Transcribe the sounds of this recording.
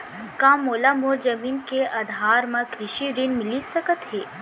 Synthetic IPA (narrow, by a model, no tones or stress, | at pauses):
kãːmoːlamoːɾd͡ʒɐmiːnkeɐd̪ʱaːɾmɐ̃kɾɪʃiɾinmɪlisɐkət̪ɦeː